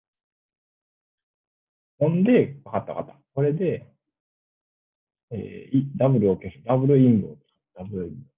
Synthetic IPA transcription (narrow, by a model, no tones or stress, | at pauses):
hõ̞nd̪e̞kakat̪ːaka̰t̪ḁko̞ɾe̞d̪e̞ | ḛːid̪abɯ̟ɾɯ̟okesɯ̥d̪abɯ̟ɾɯ̟ĩmbɯoke̥s | d̪̥abɯ̟ɾɯ̟imɯ